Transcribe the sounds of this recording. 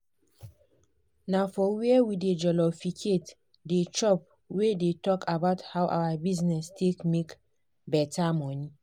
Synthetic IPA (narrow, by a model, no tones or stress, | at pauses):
nafɔwiɛwided͡ʒɔlɔfikʰet | det͡ʃɔp̚ | wedetɔkʰabaʊthawʔa̰wabiznɛstʰekmek | bɛtʰamɔni